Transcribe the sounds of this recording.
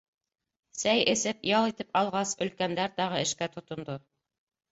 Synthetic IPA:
sæjɘ̆sɘpjɑlˠit̪ɘpɑlˠʁɑsɵ̆lkænd̪æɾt̪ɑʁɤɘ̆ʃkæt̪ŏt̪ŏnd̪o

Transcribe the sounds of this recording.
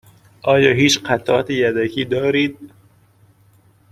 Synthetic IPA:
ʔɒːjɒːɦiːt͡ʃqʰæt̪ʰɒ̰t̪ʰejæd̪ækʰiːd̪ɒːɾiːd̪̚

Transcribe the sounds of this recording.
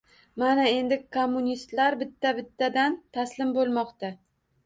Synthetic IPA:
manae̞nd̪ɪkʰomːunʲist̪laɾbɪt̪ʰːabɪt̪ʰːad̪ant̪ʰaslɪmbolˠmɒqt̪a

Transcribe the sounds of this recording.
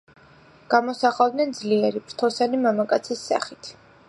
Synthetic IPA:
ɡ̥amɔsaχavd̪nɛnd̪zliɛɾipʰɾt̪ʰɔsanimamakʼat̪sʰisːa̰χit̪ʰ

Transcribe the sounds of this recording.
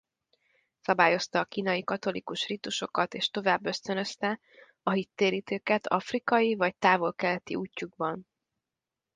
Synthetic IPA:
sɒbaːjo̞st̪ɒːkiːnɒjikɒt̪o̞likuʃrit̪uʃo̞kɒt̪eːʃt̪o̞vaːbːø̞st̪ønø̞st̪ɛ | ɒɦit̪ːeːɾiːt̪øːkɛt̪ʰɒ̰frikɒjivɒct̪aːvo̞lkɛlɛt̪ḭuːcːuɡbɒn

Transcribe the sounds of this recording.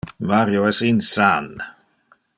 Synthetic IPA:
maɾjoɛsinsan

